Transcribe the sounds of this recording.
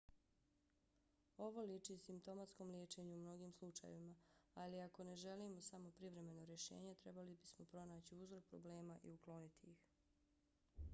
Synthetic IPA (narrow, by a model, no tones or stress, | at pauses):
o̞ʋo̞lit͡ʃisimp̚t̪o̞mat̪sko̞mljeːt͡ʃe̞ɲuːmno̞ɡiːmslˠut͡ʃa̰jeʋimaaliako̞ne̞ʒe̞limo̞samo̞pɾiʋɾe̞me̞no̞ɾje̞ʃe̞̰ːɲe̞t̪ɾe̞balibismo̞pɾo̞naːt͡ɕiuzɾo̞k̚pɾoble̞ːmaʔḭuklo̞nit̪iix